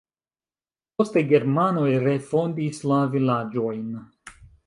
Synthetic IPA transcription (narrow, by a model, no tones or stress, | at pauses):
po̞steɡe̞ɾmano̞jɾe̞fo̞ndislavilad͡ʒo̞jn